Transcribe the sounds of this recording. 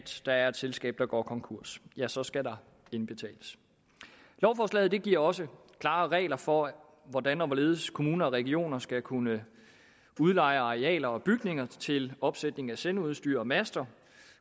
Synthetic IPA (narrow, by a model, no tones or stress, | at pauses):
d̥d̥ɑ̈æɐed̥selsɡ̥ɛ̰ːb̥̚d̥ɑ̈ɡ̥ɒ̰ːkʰɒ̽ŋkʰuɐ̰sjæsɒ̽sɡ̥ædɑ̈ | e̝nb̥e̝t͡sʰɛ̰ːləs | lɒʊfɒslɛ̰ːð̩ˠd̥e̝ɡ̥iɐ̰ɒ̽sə | kʰlɑ̈ːʁɛ̰ːɪlɐfɒ̽ | ʋɒd̥ænɒ̽ʋɒle̝ːð̞ˠskʰo̝muːnɐɒʁɛɡ̥io̝̰ːnɐsɡ̥ækʰunə | uð̞ˠlɑ̈ɪ̰ɐɑ̈ʁeɛ̰ːlɐɒ̽b̥yɡ̥ne̝ŋɐt͡sʰe̝lɒ̽b̥sed̥ne̝ŋ̩æsenuð̞ˠsd̥y̰ːɐ̰ɒ̽mæsd̥ɐ